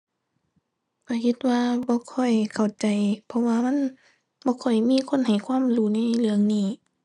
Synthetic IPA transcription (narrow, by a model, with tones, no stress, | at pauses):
ka˧˩kʰi˧t̪̚waː˧bɔː˧˦kʰɔ˧˩jkʰa˨˩wt͡ɕa˨˩jpʰɔ˧˥waː˧ma˧˥˨n | bɔː˧˦kʰɔ˨˩jmiː˧˥˨kʰo˧˥˨nha˨˩jkʰwaː˧˥˨mluː˧˩˨na˧˥˩jlɯ˧əŋniː˧˩